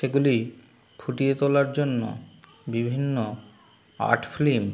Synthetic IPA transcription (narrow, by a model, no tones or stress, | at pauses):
eɡulikʰuʈijet̪olaɾd͡ʑonːo̰bibʱinːo | a̰ʈfʰlim